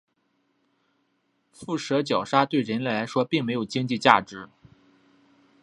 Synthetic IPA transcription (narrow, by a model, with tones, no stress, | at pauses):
fu˥˩ʂɤ˧˥t͡ɕjɑ˨˩ʊʂa˥t̪we˥˩ɪɻə˧˥nlɛ˥˩ɪla˧˥ɪʂwɔ˥pi˥˩ŋme˧˥jo˨˩t͡ɕi˥ŋt͡ɕi˥˧t͡ɕja̰˥˩ʈ͡ʂɻ̩˧˥